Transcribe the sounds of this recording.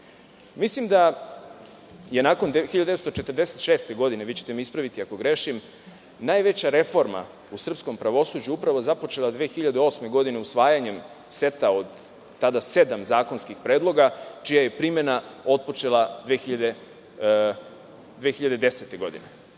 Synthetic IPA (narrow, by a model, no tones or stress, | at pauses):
mislimd̪a | je̞naːko̞nd̪exiʎad̪et̪st̪ot͡ʃe̞t̪ər̩d̪eset̪ʃeːst̪e̞ɡo̞d̪ineʋit͡ɕet̪emiispɾaʋit̪iako̞ɡɾe̞ʃim | naːjʋe̞t͡ɕaɾe̞fo̞ɾma̰ | usr̩psko̞mpɾaʋo̞suːd͡ʑuupɾaʋo̞zapo̞t͡ʃe̞lˠad̪ʋeːxiʎad̪eo̞ːsme̞ɡo̞d̪ine̞usʋaːjaɲe̞m | se̞t̪ao̞d̪ | t̪ːad̪ase̞d̪amzaːko̞nskixpɾeːd̪lˠo̞ɡat͡ʃijaje̞pɾime̞nao̞t̪̚po̞t͡ʃe̞lˠad̪ʋeːxiʎad̪e | d̪ʋeːxiʎad̪e̞d̪e̞set̪e̞ɡo̞d̪ḭne